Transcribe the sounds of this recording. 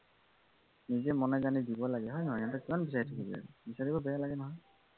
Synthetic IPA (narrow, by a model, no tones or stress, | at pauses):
nizɛmɔnɛzanidibɔlaɡɛɦɔjnɔɦɔjɛntɛkimanbis̬aɹitʰakibḭa̰ɡɛ̰bisaɹibɔbɛjalaɡɛnɔɦɔj